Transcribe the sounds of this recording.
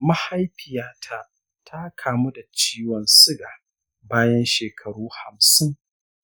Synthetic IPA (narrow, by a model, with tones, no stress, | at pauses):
ma˦ha˦jɸɪ˨jaː˦tʰa˦ | tʰa˦kʰaː˨mu˦da˨t͡ʃiː˦wɔ˨nsɪ˦ɡaː˨ | baː˦jɐ˦nʃeː˨kʰɐ˨ɽuː˦ha˨msɪ˦ŋ